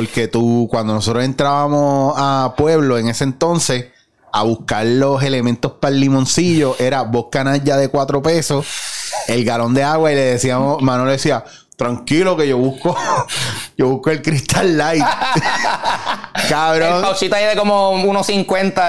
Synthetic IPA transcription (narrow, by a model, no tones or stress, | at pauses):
poɾke̞t̪ukwand̪onoso̞t̪ɾose̞nt̪ɾaβamo̞apwe̞βlo̞eŋe̞sent̪o̞nse̞s | aβuhkaɾlo̞ɦe̞le̞mẽnt̪o̞hpalːimõ̞nsiʝo̞ʔe̞ɾabohkanaʝaðe̞kwat̪ɾo̞pe̞sose̞lɡalo̞nd̪e̞aɣwaile̞ðesiamomãnoloesia | t̪ɾaŋkilo̞ke̞ʝo̞βuhko | d͡ʒoβuhkoelkɾiht̪alːajt̪ | kaβɾõŋawt͡ʃit̪oaiðekomounosiŋkwent̪a